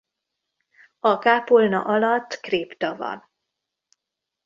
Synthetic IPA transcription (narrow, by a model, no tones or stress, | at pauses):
ɒkaːpolnɒ̰ʔɒlɒt̪ːkreːpt̪ɒvɒ̰n